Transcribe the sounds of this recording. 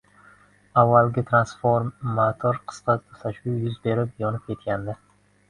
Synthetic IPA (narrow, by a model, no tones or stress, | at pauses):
avːalɡʲɪt̪ʰɾansfoɾmat̪ʰoɾqʰɨ̥sqɑt̪ʰsaʃʊjʊzbe̞ɾɪpjɒnɪp̚kʲʰe̞t̪̚kʲand̪ɪ